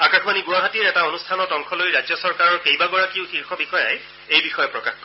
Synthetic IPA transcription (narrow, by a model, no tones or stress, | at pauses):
akaxbaniɡuwaɦatiɹɛtaonustʰanɔtɔŋkʰɔlojɹajɔsɔɹkaɹɔɹkejbaɡɔɹakiʊxiɹkʰɔbixɔja̰j | ejbixɔjɔpɹɔkaxkɔ